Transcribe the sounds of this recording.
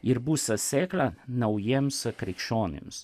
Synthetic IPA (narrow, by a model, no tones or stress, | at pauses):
iɾbusɐsʲɛːklɐnɐwjemskɾɛkʃoːnɪ̰ms